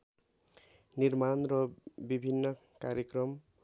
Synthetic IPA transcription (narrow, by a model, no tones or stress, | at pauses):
nirmanrʌbibʱinːʌ | kaɾjekrʌm